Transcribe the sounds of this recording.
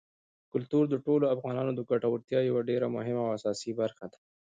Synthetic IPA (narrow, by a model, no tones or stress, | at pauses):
kʊlt̪uɾd̪əʈoloafɣɑnɑnod̪əɡaʈawaɾt̪jɑjawaɖeɾamʊɦɪmaːwasɑsibaɾxad̪ḁ